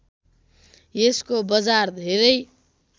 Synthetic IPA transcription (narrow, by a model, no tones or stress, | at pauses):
jeskobʌd͡zard̪ʱeɾʌj